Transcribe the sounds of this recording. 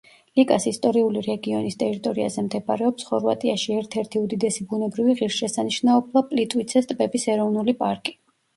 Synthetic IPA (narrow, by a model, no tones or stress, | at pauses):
likʼasist̪ʼɔɾiuliɾɛɡiɔnist̪ʼɛɾit̪ʼɔɾia̰zɛmd̪ɛbaɾɛɔpsχɔɾvat̪ʼiaʃiɛɾt̪ʰɛɾt̪ʰiud̪id̪ɛsibunɛbɾiviʁiɾʃʃɛsaniʃnaɔblˠapʼlit̪ʼwit̪sʰɛst̪ʼbɛbisɛɾɔvnulipʼaɾkʼi̥